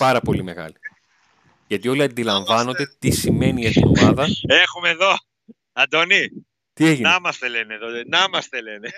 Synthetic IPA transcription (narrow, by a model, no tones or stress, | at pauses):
pɐɾɐpo̞lime̞ɣɐ̰li | ʝɐt̪io̞liɐnd̪ilɐɱvɐno̞nd̪e̞t̪isime̞niɐt̪io̰mɐðɐexumeðo̞ | ɐd̪oni | t̪ieʝinɐmɐst̪eleneðonɐmɐst̪e̞lene